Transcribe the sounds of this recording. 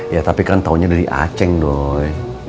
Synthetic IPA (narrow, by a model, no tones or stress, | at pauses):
jat̪apikant̪awɲadadḭʔa̰t͡ʃɛŋdoj